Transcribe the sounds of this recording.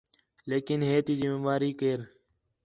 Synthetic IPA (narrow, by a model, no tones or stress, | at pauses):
leːkɪnɦeːt̪iːd͡ʒimẽːmaːɾiːkeːɾ